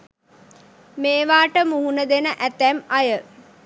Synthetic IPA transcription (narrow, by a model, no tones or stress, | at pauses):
meːʋaːʈəmuɦunəd̪enəʔæt̪ːæmajə